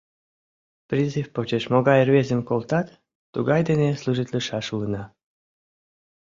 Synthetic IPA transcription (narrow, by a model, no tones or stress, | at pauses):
prʲizɨfpot͡ɕeʃmoɣɑjrvezəmkolt̪ɑt̪ː | uɣɑjd̪enesluʒit̪ʲləʃɑʃuənɑ